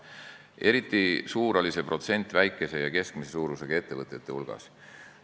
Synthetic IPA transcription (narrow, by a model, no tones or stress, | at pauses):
ʔe̞ɾit̪ˑːisuːɾɑlise̞pro̞t̪se̞nʲt̪ˑvæjkːˑe̞se̞jɑke̞skmisesuːɾuseɡ̥ɑe̞t̪ːe̞vɤt̪ˑːet̪ːˑe̞̰ulɡ̥ɑ̰s